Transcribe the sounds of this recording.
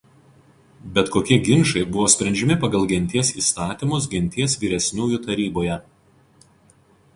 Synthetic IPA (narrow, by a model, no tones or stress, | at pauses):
bʲɛt̪koːkʲiɛɡʲɪnʃɐɪbʊʋoːsʲpʲɾʲɛnʲd͡ʒʲɛmʲɪpɐɡɐlˠɡʲɛnʲt̪ʲiɛsḭːst̪ɑːt̪ʲimʊs̬ɡʲɛnʲt̪ʲiɛsʋʲiːɾʲɛsʲnʲuːjʊt̪ɐɾʲiːboːjɛ